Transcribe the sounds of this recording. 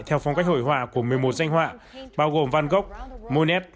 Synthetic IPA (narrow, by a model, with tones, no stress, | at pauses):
jt̪ʰɛ˧wfɔ˧wŋ͡mka˦˥k̚ho̰˧˨jɦwaː˧˩ku˧˩əmɨ˨˩əjmo˨˩t̚za˧jŋ̟hwa̰ː˧˨ɓaː˧wɣo˨˩mva˧nɣə˦˥wk͡p̚mo˧nɛ˦˥p̚